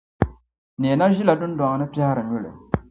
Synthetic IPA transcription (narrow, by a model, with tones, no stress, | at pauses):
ne˨na˦ʒi˦la˨du˦n˦da˨ŋ˨nɨ˦pi˦ha˦ɾɨ˨ɲu˦lḛ˨